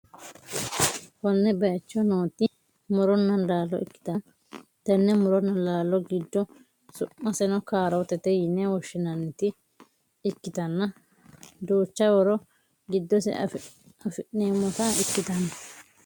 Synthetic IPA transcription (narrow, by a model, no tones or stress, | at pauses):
wɔnːɛbɐjɐt͡ʃːɔnoːt̪ːɪ | mʊɾɔnːɐnlaːlːɔ̰ɪ̰kːɪ̥t̪ɐ | t̪ɐnːɛmʊɾɔnːɐlaːlːɔɡɪd̪ːɔ | sʊʔːɐsɛnɔkaːɾɔt̪ɛt̪ɛjɪnːɛwɔʃːɪnɐnːɪt̪ɪ | ɪkːɪt̪ɐnːɐ | d̪oːt͡ʃːɐwɔɾɔ | ɡɪd̪ːɔsɛ̰ | ɐfɪʔeːmːɔt̪ɐɪkːɪt̪ɐnɐ